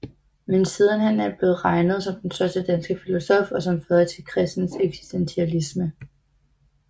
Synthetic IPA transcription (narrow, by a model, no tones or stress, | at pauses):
mensiːð̞ˠn̩hænæɐb̥le̝ːð̩ˠʁɑ̈ɪnəð̞ˠsɒ̽md̥ensd̥ɶɐsd̥əd̥ænsɡ̥əfilo̝sɒ̽fɒ̽sɒ̽mfœːðˠt͡sʰe̝lkʰʁɛsd̥n̩seɡ̥si̥sd̥ent͡sʰiælismə